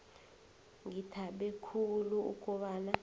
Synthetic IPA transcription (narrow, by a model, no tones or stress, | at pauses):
ŋitʰaɓɛkʰuluṵkʼɔɓaːna